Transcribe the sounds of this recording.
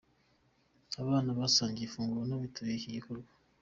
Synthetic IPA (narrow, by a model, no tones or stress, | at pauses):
aβaːnaβasaːɲɟifuːŋɡuɾonaβitʰaβekijikoɾɡwḁ